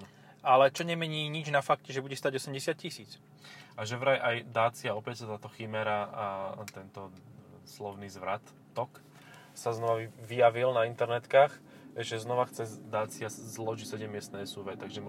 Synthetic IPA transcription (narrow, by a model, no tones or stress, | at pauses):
alɛt͡ʃɔɲɛmɛɲiːɲid͡ʒnafak̚cɛʒɛbuɟɛst̪aːɟɔsɛmɟɛsɪat̪̚cisiːt͡s | ʔaʒɛʋɾajʔajd̪aːt͡siaɔpɛcsat̪aːt̪ɔximɛɾa | t̪ɛnt̪ɔ | slɔʊniːzʋɾat̪ːɔk | saznɔʋaʋijaʋilnaint̪ɛɾnɛt̪kaːx | ʒɛznɔʋaxt͡sɛd̪aːt͡siazlɔʒicsɛɟɛmːɪɛst̪nɛːsuʋɛt̪aɡʒɛm